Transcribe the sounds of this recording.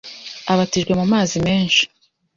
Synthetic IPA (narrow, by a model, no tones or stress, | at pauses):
aβatiʒɡwe̞mumaːzime̞ːnʃi̥